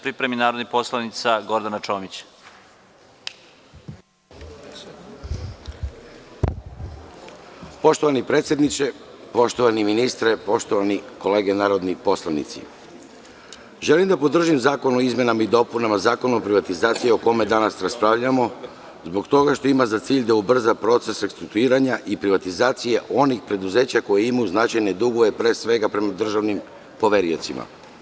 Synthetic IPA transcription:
pɾipɾeminaːɾod̪nixposlˠanit̪saɡo̞ɾd̪anat͡ʃo̞ːmit͡ɕ | po̞ʃt̪o̞ʋanipɾeːt̪sʲje̞d̪nit͡ʃe | po̞ʃt̪oʋaniminist̪ɾepo̞ʃt̪oʋaniko̞le̞ːɡenaːɾo̞d̪nipo̞slanḭt̪sḭ | ʒe̞limd̪apo̞d̪r̩ʒimzaːko̞nuoizmje̞namaid̪o̞punamazaːko̞nuopɾiʋat̪izaːt̪sijeo̞ko̞me̞d̪anasɾaspɾaʋʎamo̞ | zbo̞kt̪o̞ɡaʃt̪o̞imazat̪siːʎd̪aubr̩zapɾo̞t̪se̞sɾekst̪ɾuk̚t̪uiːɾaɲaʔipɾiʋat̪izaːt̪sije̞ʔo̞nixpɾe̞d̪uze̞ːt͡ɕako̞jeimajuznat͡ʃajne̞d̪uɡoʋe̞pɾesʋe̞ɡapɾe̞mad̪r̩ʒaʋnim | po̞ʋe̞ɾio̞t̪sima̰

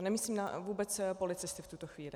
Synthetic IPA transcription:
nɛmisliːmnavuːbɛt͡spo̞lɪt͡sɪst̪ɪft̪ut̪oxviːlɪ

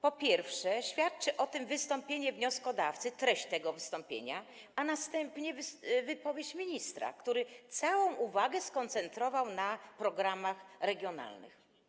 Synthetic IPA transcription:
pɔpʲjɛɾfʂɛɕfʲjat̪̚t͡ʂɘʔɔt̪ɘmvɘst̪ɔmpʲjeɲɛvɲɔskɔd̪aft̪sɘt̪ɾɛɕt͡ɕt̪ːɛɡɔvɘst̪ɔmpʲjḛɲa | anast̪ɛmpɲɛvvɘpɔvʲjet͡ɕmʲiɲist̪ɾa̰kt̪uɾɘt̪sawɔ̃w̃ʔuvaɡɛskɔnt̪sɛnt̪ɾɔvawnapɾɔɡɾamaxɾɛɡʲjɔna̰lnɘ̰x

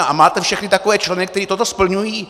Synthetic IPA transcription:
ʔamaːt̪ɛfʃɛxnɪt̪akovɛːt͡ʃlɛnɛk̚t̪ɛɾiːt̪ot̪ospl̩ɲujiː

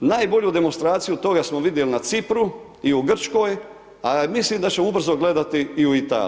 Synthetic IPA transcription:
naːjbo̞ʎud̪e̞monst̪ɾaːt̪sijut̪o̞ɡasmoʋid̪je̞linat̪sipɾu | iuɡr̩t͡ʃko̞ːj | amislimd̪at͡ɕe̞moubr̩zo̞ɡle̞d̪at̪iːuit̪a̰ːl

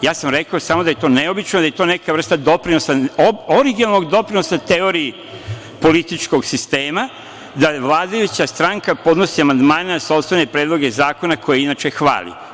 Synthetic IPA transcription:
jaːsamɾe̞kaosaːmod̪aje̞t̪o̞ːneo̞bit͡ʃnod̪aje̞t̪o̞ːnekaʋr̩st̪ad̪o̞pɾino̞saoɾiɡinalno̞ɡd̪o̞pɾino̞sat̪eo̞ɾii | po̞lit̪it͡ʃko̞ɡsist̪eːma | d̪aʋlˠaːd̪ajut͡ɕast̪ɾaŋkapo̞d̪no̞siamand̪maːneasopst̪ene̞pɾeːd̪lˠo̞ɡezaːko̞nakʰo̞jeinat͡ʃe̞xʋa̰ːlḭ

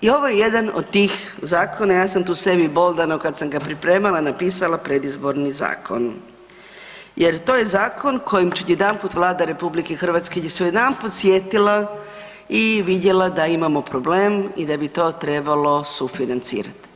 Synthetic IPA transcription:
io̞ʋojeje̞d̪ano̰d̪t̪iːx | zaːko̞najaːsamt̪uːse̞bibo̞lˠd̪anokad̪samɡapɾipɾe̞ːmalˠanapiːsalapɾe̞d̪izbo̞ɾniza̰ːkʰo̞̰n | je̞ɾt̪o̞ːje̞zaːkʰo̞nkʰo̞jimt͡ʃud̪jed̪ampuːt̪ʋlˠaːd̪aɾe̞publikexr̩ʋat̪skesujed̪anput̪sjet̪ila | iʋid̪je̞lad̪aimamo̞pɾo̞ble̞ːmid̪abit̪o̞ːt̪ɾe̞balo̞sufinant̪sḭːɾa̰t̪

